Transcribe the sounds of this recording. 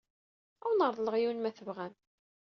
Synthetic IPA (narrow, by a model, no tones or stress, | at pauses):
æwnəɾˤðˤləʁjiwnmæθəvʁæm